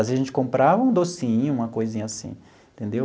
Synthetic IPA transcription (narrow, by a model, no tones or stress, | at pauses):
azeɐʒẽnt͡ʃɪ̥kõmpɾavɐũd̪osĩɲʊũmɐkojzĩɲɐasḭ̃ | ẽt̪ẽnd̪ew